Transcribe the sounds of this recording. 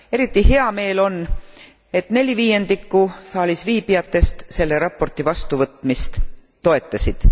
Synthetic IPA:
e̞ɾit̪ːˑiɦe̞ɑme̞ːlo̞n | e̞t̪ne̞lʲiviːje̞nd̪̥ikːusɑːlʲisviːbijɑt̪ːˑe̞st̪se̞lːe̞ɾɑpːˑo̞rt̪ːˑivɑst̪uvɤt̪ːˑmist̪ː | o̞e̞t̪ːˑɑsid̪̥

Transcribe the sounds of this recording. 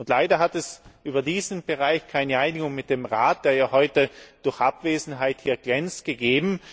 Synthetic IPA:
ʊntlaɪdɐɦatɛsʔyːbɐdiːzn̩b̥əʁaɪçkʰaɪnəʔaɪnɪɡʊŋmɪt̚d̥emʁaːt̚d̥eːɐjaːhɔʏtəd̥ʊɐçʔapv̥eːzn̩ɦaɪthiːɐɡ̥lɛnt͡stɡ̥əɡeːbm̩

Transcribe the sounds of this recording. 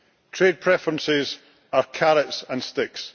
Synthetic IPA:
tʰɹ̥ed̚pʰɹ̥ɛfɹə̃nsɪz | ə˞kʰaɹətsə̃nstɪks

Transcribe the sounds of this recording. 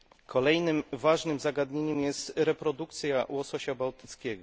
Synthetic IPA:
kʰɔlɛjnɘmvaʐnɘmzaɡad̪ɲeɲɛmjɛst̪ɾɛpɾɔd̪ukt̪sʲjawɔsɔɕabawt̪ɘt̪skʲɛɡɔ

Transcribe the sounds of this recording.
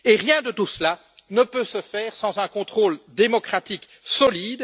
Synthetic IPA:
eʁjɛ̃d̪ət̪usla | nəpøsəfɛːʁsɑ̃zɛ̃kɔ̃t̪χoːld̪emɔkχat̪ik | sɔliːd̪

